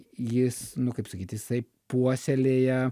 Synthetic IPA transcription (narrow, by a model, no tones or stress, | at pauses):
jɪsnʊkɐɪpsɐkʲiːt̪jɪsɐɪ | puɔsʲɛlʲeːjɛ